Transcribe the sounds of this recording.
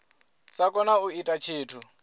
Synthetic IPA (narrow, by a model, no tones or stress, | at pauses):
sakʼɔnauitʼat͡ʃʰiːtʰu